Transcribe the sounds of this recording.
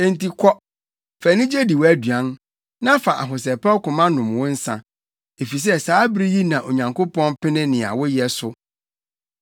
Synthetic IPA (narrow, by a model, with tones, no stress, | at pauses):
e˨n̩˨ti˨kʰɔ˦ | fæ˨nĩ˦d͡ʑe˦di˨wæ˦dɥã˦n | nã˦fa˨ʔa̰˨ɦʊ˨s̬ɛ˨pʰɛ˦kʊ̃˨mã˦nʊ̃˨mwʊ̃˦n̩˦sã̰˦ | e˨fi˨s̬ɛ˦saː˨˦bɾi˦ji˦nã˨ʔo˨ɲã˨ŋko˦pɔ̃˦npɪ˦nɪ̃˦nɪ̃˨a̰˨wʊ˦jɛ˦sʊ˦